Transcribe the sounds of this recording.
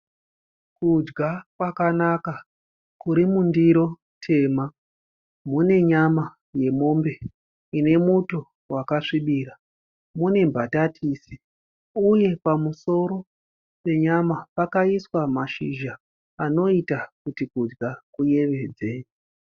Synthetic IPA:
kud͡ʒɡakwakanaka | kuɾimundiɾo̞ | tʰe̞ːma | mune̞ɲama | je̞mo̞mbe̞ | ine̞muto | wakaʂiɓiːra | mune̞mbatatʰiːsi̥ | uje̞pamuso̞ɾo̞ | pe̞ɲamapakaiswamaʃḭʒa | ano̞itakutikud͡ʒɡakuje̞ʋe̞ːd͡ze̞

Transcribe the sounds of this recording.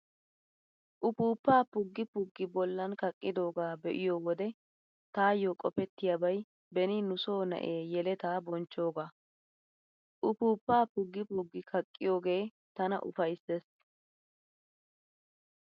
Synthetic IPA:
ʔʊpuːpːaːpʊɡːɪpʊɡːɪbɔlːɐnkɐkʼːɪd̪o̞ːɡaːbɛʔɪjoːwɔd̪ɛ | t̪aːjokʼɔpɛt̪ːɪjabɐj | bɛnɪnʊso̞ːnɐ̰ʔeːjɛlɛt̪aːbɔnt͡ʃːo̞ːɡaː | ʔʊpuːpːaːpʊɡːɪpʊɡːɪkʰɐkʼːɪjo̞ːɡe̞ː | t̪ɐnɐ̰ʔʊ̰fɐjsːes

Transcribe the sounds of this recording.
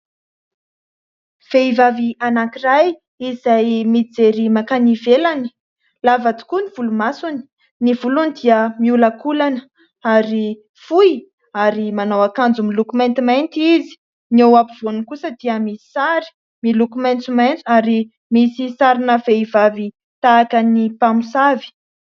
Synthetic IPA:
v̥eivavianakiraj | izajmid͡zeɾimakanivelani̥ | lavat̪u̥kuniv̥ulumasuni̥ | nivulunid̪iəmiulakulanə | aɾi | fuj | aɾimanawakand͡zumilukument̪imant̪izi̥ | newapiv̥onukusəd̪iəmisi̥saɾi̥ | milukument͡sumajnt͡saɾi | misisaɾinəveivavi | t̪aːkənipamusavi̥

